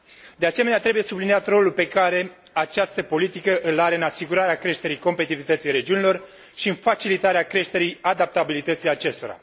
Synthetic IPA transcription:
d̪e̞ase̞meneat̪ɾe̞buje̞sublinijat̪ro̞lulpe̞kaɾe̞ | at͡ʃast̪əpo̞lit̪ikəʔɨlaɾe̞ɨnasiɡuɾaɾeakɾe̞ʃt̪e̞ɾijko̞mpe̞t̪ivit̪ət̪sijɾe̞d͡ʒiunilo̞r | ʃiɨnfat͡ʃilit̪aɾeakɾe̞ʃt̪e̞ɾijad̪ap̚t̪abilit̪ət̪sijat͡ʃe̞st̪o̞̰ɾa̰

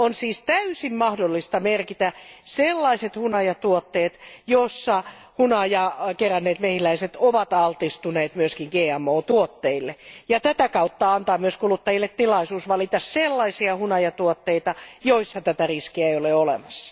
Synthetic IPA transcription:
onsiːst̪æysimmɑhdolːist̪ɑmerkit̪æselːɑiset̪hunɑjɑt̪uot̪ːeːt̪josːɑ | hunɑjɑkerænːeːt̪mehilæiset̪oʋɑt̪ɑlt̪ist̪uneːt̪myøskiŋɡ̥eːæmːoːt̪uot̪ːeilːejɑt̪æt̪ækɑut̪ːɑɑnt̪ɑːmyøskulut̪ːɑjilːet̪tilɑisuːsʋɑlit̪ɑsselːɑisiɑhunɑjɑt̪uot̪ːeit̪ɑjoisːɑt̪æt̪æriskiæeioleolḛmɑsːɑ̥

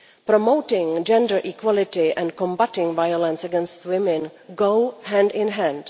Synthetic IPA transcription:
pɾomoʊtɪ̃ŋd͡ʒɛ̃ndəɹʔikwɔlɪtɪʔɛ̃nkɔ̃mbatɪ̃ŋvajolɛ̃nsɛɡɛ̃nstwɪmɪ̃nɡoʊhæ̃ndɪ̃nɦæ̃nd̥

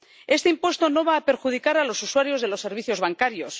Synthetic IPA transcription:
e̞st̪eimpwe̞st̪o̞no̞βaːpe̞ɾxuð̞ikaɾalo̞suswaɾjo̞zðelo̞sːe̞ɾβ̞iθjo̞zβaŋkaɾjo̞s

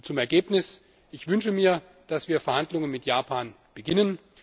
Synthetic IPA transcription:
t͡sʊmɛɐɡeːpnɪs | ʔɪçv̥ʏnʃəmiːɐ | d̥asv̥iːɐfɛɐhandlʊŋənmɪtjaːpʰaːn | b̥əɡɪnən

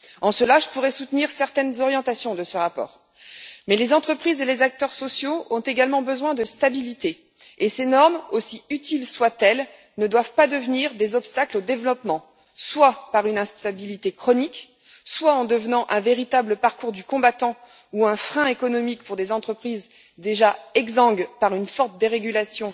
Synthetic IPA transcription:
ɑ̃səlaʒəpuʁɛsut̪niʁsɛʁt̪ɛnzɔʁjɑ̃t̪asjɔ̃d̪əsəʁapɔ̰ːʁ | mɛlezɑ̃t̪χəpχizelezak̚t̪œʁsɔsjoɔ̃t̪eɡalmɑ̃bəzwɛ̃d̪əst̪abilit̪eː | senɔʁmosiyt̪ilswat̪ɛl | nəd̪wavpad̪əvniʁd̪ezɔpst̪aklod̪evlɔpmɑ̃ | swapaʁynɛ̃st̪abilit̪ekχɔnik | swaɑ̃d̪əvnɑ̃ʔɛ̃veʁit̪abləpaʁkuʁd̪ykɔ̃bat̪ɑ̃ | uɛ̃fχɛ̃ekɔnɔmikpuʁd̪ezɑ̃t̪χəpχiz | d̪eʒaɛɡzɑ̃ɡpaʁynfɔʁt̪̚d̪eʁeɡʲylasjɔ̃

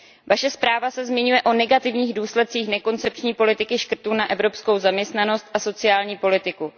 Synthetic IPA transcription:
vaʃɛspɾaːvasɛzmɪɲujɛʔo̞nɛɡat̪ɪvɲiːɣduːslɛt̪̚t͡siːxnɛko̞nt͡sɛp̚t͡ʃɲiːpo̞lɪt̪ɪkɪʃkr̩t̪unaʔɛvɾo̞psko̞wzamɲɛst̪nano̞st̪̚ʔaso̞t͡sɪaːlɲiːpo̞lɪt̪ɪku

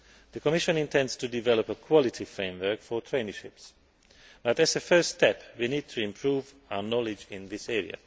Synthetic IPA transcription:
ðəkʰɔmɪʃə̃nɪ̃ntʰɛ̃ndstʰudɪvɛləpəkʰw̥ɔlɪtʰifɹẽɪ̃mwə˞kfə˞tʰɹẽɪnəʃɪps | b̥ʌtɨzəfɜ˞stːtʰɛpwiniːd̚tʰɨɪ̃mpʰɹ̥uːv | aʊənɔlɪd͡ʒɪ̃nðɪsɛɹḭə̰

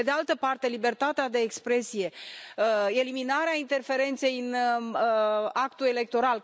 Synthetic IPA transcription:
ed̪ealt̪əpart̪e̞libe̞rt̪at̪ead̪e̞ːkspɾe̞sije̞ | e̞liminaɾeaint̪e̞rfe̞ɾe̞nt̪se̞jɨn | akt̪ule̞le̞k̚t̪o̞ɾal

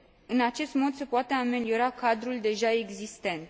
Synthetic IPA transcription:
ɨnat͡ʃe̞st̪mo̞d̪se̞poat̪eame̞lio̞ɾakad̪ɾuld̪e̞ʒae̞ɡzist̪e̞nt̪

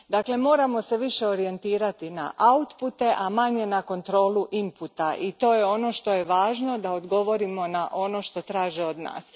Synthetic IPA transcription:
d̪akle̞mo̞ːɾamo̞se̞ʋiʃe̞o̞ɾie̞nt̪iːɾat̪ina̰ʔaut̪put̪e̞ʔamaɲe̞nako̞nt̪ɾo̞ːluʔimput̪aʔit̪o̞ːjeo̞no̞ʃt̪o̞jeʋaːʒno̞d̪aod̪ɡo̞ʋo̞ɾimo̞naʔo̞no̞ʃt̪o̞t̪ɾaːʒio̞d̪na̰ːs

